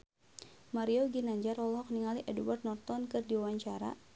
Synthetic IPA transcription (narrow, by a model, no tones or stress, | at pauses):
maɾioɡinaɲd͡ʒarɔlɦɔk̚niŋaliʔɛduwart̪̚nɔrt̪ɔnkɨrdiwawaɲt͡ʃaɾa̰